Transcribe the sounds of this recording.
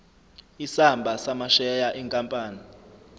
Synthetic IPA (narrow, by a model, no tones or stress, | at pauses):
isambʱasamaʃɛjaʔiŋkʼampʼaːni